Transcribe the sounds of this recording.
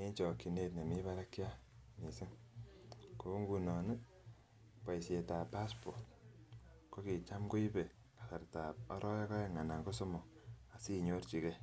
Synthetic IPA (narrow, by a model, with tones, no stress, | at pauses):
ne˦ɲt͡ʃɔ˨ki˨ne˨tne˨mi˦βa˦ɾa˦kja˦ni˨sɪ˦ŋ | ko˨˦ŋɡu˧nɔ˨nu˦ | pa˨i˨se˨ta˨pa˦spo˨rt̚ | ko˦ki˨t͡ʃa˦mko˦i˦be˨ | kḁ˨sa˨rta˨p̚ɔ˦ɾɔ˦ja˦ka˦e˦ŋa˨na˨ŋko˦so˦mɔ˨a˨si˦ɲo˦rt͡ʃi˨kɛ˦